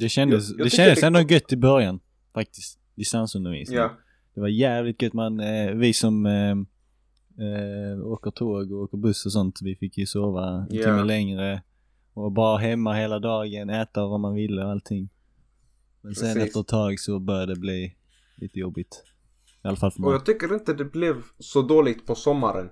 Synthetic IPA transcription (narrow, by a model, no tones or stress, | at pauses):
d̪ɛʃɛnd̪əsd̪ɛʃɛnd̪əsɛnd̪ɔɡœt̪ːɪbœɾjan | fak̚t̪ɪst̪ | d̪ɪst̪ansɵnd̪əɾvḭːs | d̪̥ɛvajæːvlɪt̪̚ɡœt̪ːmanvɪsɔm | oːkəɾt̪ʰoːɡɔoːkəɾbɵsːɔsɔnt̪vɪfɪkjɵsoːvaɛnt̪ɪmːəlɛŋɾə | ɔbɑːɾaɦɛmːaheːlad̪ɑːɡənæːt̪avamanvɪlːəɔalt̪ʰːɪŋː | mɛnsɛnɛft̪əɾɛt̪ʰːɑːɡsɔbœɾjad̪ɛbliː | lḭːt̪əjɔbːɪt̪ | ɪalːafalfœmɛɔjɑːɡt̪ʰʏkːəɾɪnt̪əd̪ɛblɛvsɔd̪oːlɪɡ̚t̪pʰɔsɔmːaɾə̰n